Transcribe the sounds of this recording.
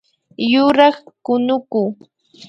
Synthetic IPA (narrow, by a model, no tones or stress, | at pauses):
jʊɾɑχkʊnʊkuː